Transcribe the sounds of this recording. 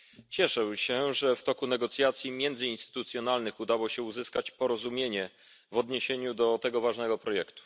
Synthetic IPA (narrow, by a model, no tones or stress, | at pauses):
t͡ɕɛʂɛwɕɛʐɛft̪ɔkunɛɡɔt̪sʲjat̪sʲjimʲjɛnd̪zɘinst̪ɘ̥t̪ut̪sʲjɔnalnɘxud̪awɔɕɛuzɘskat͡ɕpɔɾɔzumʲjeɲɛ | vɔd̪ɲeɕeɲud̪ɔt̪ɛɡɔvaʐnɛɡɔpɾɔjɛkt̪u̥